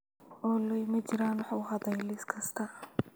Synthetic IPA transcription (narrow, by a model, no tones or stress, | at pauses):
ʔɔːlɛjmɐt͡ʃɪɾaːnwɑħuɦɐd̪ɐjlɪskʰɐst̪ʰɐ